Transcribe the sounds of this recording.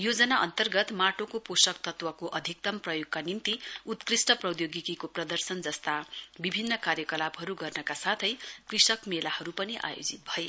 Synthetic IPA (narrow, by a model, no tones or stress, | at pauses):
jod͡zʌnaʔʌ̰nt̪ʌrɡʌt̪maʈokoposʌkt̪ʌt̪wʌkoʔʌd̪ʱik̚t̪ʌmprʌjoɡ̚kanint̪iut̪krisʈʌprʌd̪joɡikikoprʌd̪ʌrsʌnd͡zʌst̪abibʱinːʌkarjʌkʌlabɦʌɾuɡʌrnʌkasat̪ʰʌjkrisʌkmelahʌɾupʌniʔa̰jo̰d͡zit̪̚bʱʌe